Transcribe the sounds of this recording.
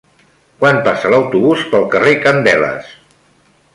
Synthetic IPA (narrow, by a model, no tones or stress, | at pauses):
kwanpasələwt̪uβuspəlˠkərekənd̪ɛlə̰s